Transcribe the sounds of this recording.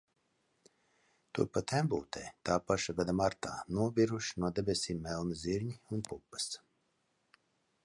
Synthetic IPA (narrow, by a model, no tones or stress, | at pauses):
t̪ṵɾpat̪ɛmbuːt̪ɛːt̪aːpaʃaɡad̪amaɾt̪a̰ːnuɔbʲiɾuʃi̥nuɔd̪ɛbʲɛsimːɛlˠniziɾɲiunpupːḁs